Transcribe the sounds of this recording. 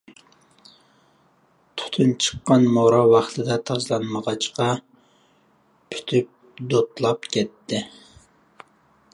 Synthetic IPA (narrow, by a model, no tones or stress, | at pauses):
t̪ʰʊ̥t̪ʰunt͡ʃʰə̥qːɑnmoɾɑwɑχt̪ʰɨd̪ɑt̪ʰɑzlˠɑnməʁɑt͡ʃqɑ | pʰy̥t̪ʰyp̚ | d̪ot̪lˠɑpkʲʰɛt̪ːɪ